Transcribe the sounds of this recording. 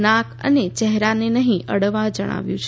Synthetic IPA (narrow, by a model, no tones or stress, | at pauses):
nakʰə̰net͡ʃɛɦɾanenəɦĩʔʔəɽʋad͡ʒəɽ̃a̰ʋjũt͡ʃʰ